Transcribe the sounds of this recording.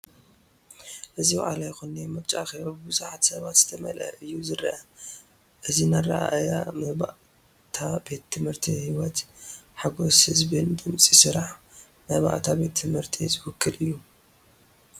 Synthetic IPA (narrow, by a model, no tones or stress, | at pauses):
ʔɨziba̰ʔa̰lajxonemɐβt͡ʃʼaʔːxeβabɨbɨzuħat̪sɐβat̪z̥ɨt̪ʰɐmɐ̰lɐ̰ʔɨjːuzɨɾɐʔɐ | ʔɨzinaɾa̰ʔajamɐba̰ʔ | t̪ʰabe̞t̪ʰːɨmhɨɾt̪ʰihiwɔt̪ħaɡo̞shɨzbɨnd̪ɨmt͡sʼisɨɾaħ | mɐhβa̰ʔt̪ʰabe̞t̪ʰːɨmhɨɾt̪ʰizɨwʊkʰːɨlʔɨjːu